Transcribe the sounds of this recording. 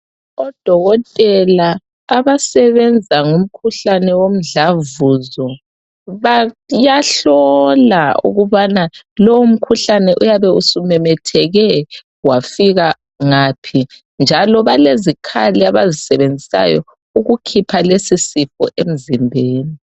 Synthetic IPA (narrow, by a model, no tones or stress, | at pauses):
ɔd̥ʱɔɣɔtʼɛlaː | βasɛβɛnd͡zʱaŋum̩kʰuɬanɛwom̩ɮavuzɔ | βajaɬɔlaṵɣuβanalɔwum̩kʰuɬanɛʔujaβɛusumɛmɛtʰɛɣɛ | wafiɣa | ŋapʰi | nd͡ʒʱalɔβalezikʰaliaβazisɛβend͡zʱisa̰jɔ̰ | uɣukʰipʰalesisifɔ̰ʔem̩zimbʱeːni